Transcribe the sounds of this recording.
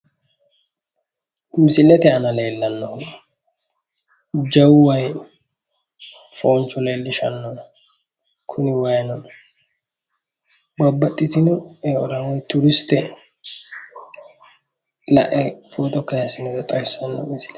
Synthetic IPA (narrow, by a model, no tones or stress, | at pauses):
mɪsɪlːɛt̪ɛɐnɐleːlːɐnːɔ | d͡ʒɐwwɐj | foːnt͡ʃːʊneːlːɪʃɐnːɔnɐ | kʰʊnɪwɐjɐnɔnɐ | bɐbːɐt̪ʼːɪt̪ɪnɔɛɔɾɐnɔjt̪ʊɾɪst̪ɛ | lɐ̰ʔɛfoːt̪ɔkːɐjɐsɪnɛt̪ɛt̪ʼɐjsːɐnːɔ̰mɪsɪ̥lɛ